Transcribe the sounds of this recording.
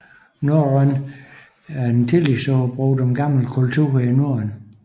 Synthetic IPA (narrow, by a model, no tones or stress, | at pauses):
noən | æɐdent͡sʰilisɔb̥ʁuːd̥emɡ̥ɑ̈ml̩kʰult͡sʰuːɐ̰inoɐən